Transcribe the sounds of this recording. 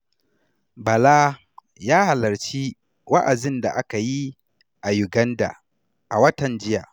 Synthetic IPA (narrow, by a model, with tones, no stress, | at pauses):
bɐ˨laː˦ | jaː˦ha˨lɐ˨ɾt͡ʃi˦ | wa˦ʔa˨zɪ˦nda̰˨ʔa˦ka˨ji˦ | ʔa˨ju˨ɡɐ˦nda̰˨ | ʔa˨wɐ˦tɐ˨nd͡ʒɪ˦ja˨